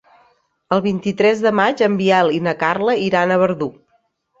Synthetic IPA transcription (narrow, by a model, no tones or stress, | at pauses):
əlˠβ̞int̪it̪ɾɛzðəmad͡ʒəmbialinəkarləiɾanəβ̞əɾðu